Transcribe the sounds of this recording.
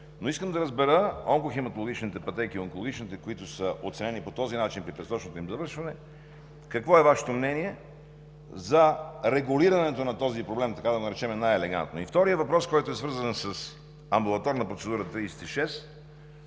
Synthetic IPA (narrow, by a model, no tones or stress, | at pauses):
noiskəmd̪ɐɾəzbɛɾəɔŋkoximɐt̪olˠoɡ̟ʲit͡ʃnit̪ɛpɐt̪ɛk̟ioŋkolˠoɡ̟ʲit͡ʃnit̪ɛkoit̪ʊsəʔo̰t̪sɛnɛnipot̪ɔzinat͡ʃinpɾipɾɛsɾɔt͡ʃnot̪oimzɐvɤɾʃvɐnɛ | kɐkvɔɛvaʃɛ̥t̪omnɛniɛ | zɐɾɛɡʊliɾɐnɛt̪onɐt̪ɔzipɾoblɛmt̪ɐkad̪ɐnɐɾɛt͡ʃɛmɛnajɛlɛɡa̰nt̪no̰ift̪ɔɾijəvɐpɾɔskɔjt̪oɛsvɤɾzənsɐs | ɐmbulˠɐt̪ɔɾnɐpɾot̪sɛd̪uɾət̪ɾijsɛ̥t̪iʃɛs